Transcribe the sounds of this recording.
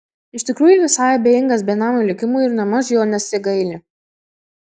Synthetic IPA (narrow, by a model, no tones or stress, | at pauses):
ɪʃt̪ʲɪkɾuːjʊʋʲɪsɑːɪɐbʲeːjɪŋɡɐs̬bʲeːnɑːmulʲɪkʲɪmuɪɾnɐmɐs̬joːnʲɛsʲɪɡɐɪlʲe